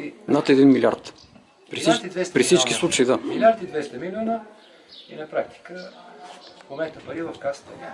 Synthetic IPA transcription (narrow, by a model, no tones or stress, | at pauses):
nat̪ɛd̪inmilʲia̰ɾt̪ | pɾisit͡ʃd̪ɛspɾifsit͡ʃkk̟ʲislˠut͡ʃəid̪amilʲaɾt̪id̪vɛst̪ɐmilʲɔnə | ḭnɐpɾakt̪i̥kə | komɛnt̪əpɐɾivˠɐfkast̪ə